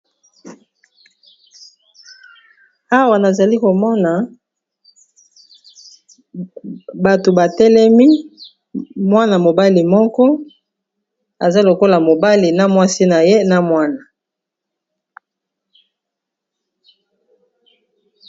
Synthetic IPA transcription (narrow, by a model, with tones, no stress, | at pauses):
a˦wa˨na˨za˨li˦ko˨mɔ˦na˨ | ba˨to˨ba˨tɛ˦lɛ˦mi˦ | mwa˦na˨mo˨ba˦li˨mɔ˦kɔ˦ | a˨za˦lo˨ko˦la˨mo˨ba˦li˨na˦mwa˦si˦na˨je˦na˦mwa˦na˨